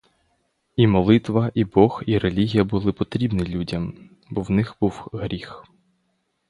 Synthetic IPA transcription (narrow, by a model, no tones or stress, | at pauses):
imɔlˠɪt̪ʋɐʔibɔxiɾelʲiɦʲijɐbʊlˠɪpɔt̪ɾʲibnʲilʲudʲɐm | bɔwnɪxb̥uwɦɾʲix